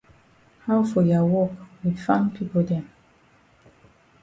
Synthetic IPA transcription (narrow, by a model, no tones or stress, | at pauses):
hawfɔjawɔkwidfãnpʰipodɛ̃m